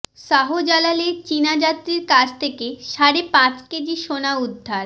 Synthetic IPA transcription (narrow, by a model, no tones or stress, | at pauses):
ʃaɦod͡ʑalaleɾt͡ɕinad͡ʑat̪ːɾiɾkat͡ɕʰt̪ʰekeʃaɾepãt͡ɕked͡ʑiʃonaud̪ʱːaɾ